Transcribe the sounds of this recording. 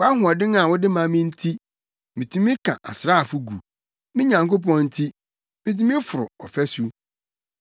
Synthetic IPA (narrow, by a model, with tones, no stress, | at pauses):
wɔ˦a˦ɦʊ̃˨ɔ˨dɪ̃˦ŋa˨wɔ˦dɪ˦mã˨mĩ˦n̩˦tʰi˦ | mĩ˨tʰũ˦mĩ˦kʰã̰˨ʔa˨sɪ˨ɾa˦a˨fʊ˦ɡṵ˨ | mĩ˦ɲã˨ŋko˦pɔ̃˦n̩˦tʰi˦ | mĩ˨t̬ũ˦mĩ˦fʊ˨ɾʊ̰˨ɔ̰˨fɛ˦su˦